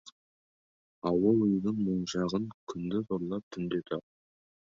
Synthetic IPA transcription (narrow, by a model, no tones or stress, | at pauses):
ɑwəlˠʊjənəɴmoɴʒɑʁəŋkʲʰʏnd̪ɪt̪ʰoɾlˠɑp̚t̪ʰʏnd̪e̞t̪ʰɑq̚